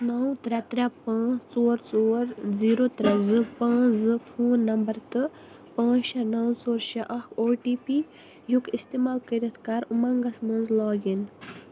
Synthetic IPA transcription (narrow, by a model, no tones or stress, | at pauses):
nɐwt̪ɾɛt̪ɾɛpãːt͡st͡soːɾt͡soːɾziːɾot̪ɾɛzɨpãːzɨfʰuːnːɐmbɐɾt̪ɨ | pãːt͡ʃɐnɐwt͡soːɾʃɐʔɐkʰoːʈiːpi | jukist̪eːmaːlkiɾɐt̪ʰkaɾumɐ̃ŋɡɐsmɐ̃nzlaːɡin